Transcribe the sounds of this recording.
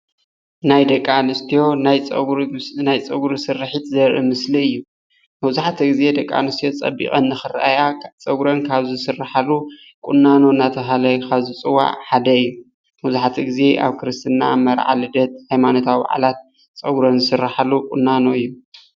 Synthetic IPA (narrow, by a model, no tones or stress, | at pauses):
najd̪ɐkʼːanɨst̪ʰijo̞najʼnajt͡sʼɐɡɾsɨrħit̪zɐɾʔɨ̰mɨsliɨjːu | mɐwzuħat̪ʰɐɡize̞d̪ɐkʼːa̰nɨst̪ʰijot͡sʼɐ̰bḭɣʼɐnːɨxɨɾʔajat͡sʼɐwɾɐnkʰaβzɨsɨrːaħalu | kʼʊnːano̞nat̪ʰɐɦalɐjkʰaβzit͡sʼɨwːa̰ʕħad̪ɐɨjːu | mɐwzuħat̪ʰiɡize̞ʔa̰βkʰɨɾɨst̪ʰɨnːa̰mɐɾʕa̰lɨd̪ɐt̪̚hajmanot̪ʰawba̰ʕa̰lat̪̚ | t͡sʼɐwɾɐnzɨsɨrːaħalːukʼunːano̞ɨjːu